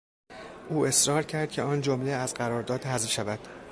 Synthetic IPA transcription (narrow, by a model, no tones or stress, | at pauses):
ʔuːe̞sɾɒːɾcʰæɾd̪̚cʰe̞ɒːnd͡ʒomleæzɢæɾɒːɾd̪ɒːd̪hæzvʃævæd̪̥